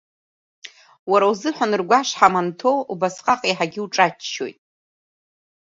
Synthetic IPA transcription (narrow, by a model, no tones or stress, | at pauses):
waɾauzɨħʷanɨrɡʷaʂħamantʰo̞ubasqʼaqʼiħaɡʲɪuʈ͡ʂʼat͡ʃːo̞̰jtʼ